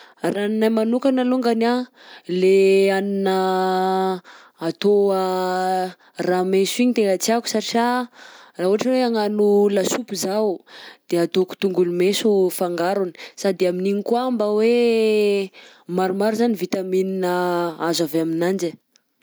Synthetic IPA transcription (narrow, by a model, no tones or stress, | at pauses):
rannajmanukanaloŋɡana | leaninə | t̪oa | ramesuiɲit̪eŋat͡siaku̥saʈ͡ʂiarauaʈ͡ʂəweaŋanulasupuzawd̪̥eat̪oku̥t̪uŋɡulumesufaŋɡaɾuni̥sad̪eaminiɲikuambəwe | maɾumaɾuzanivit̪amininəazaveaminand͡ʒə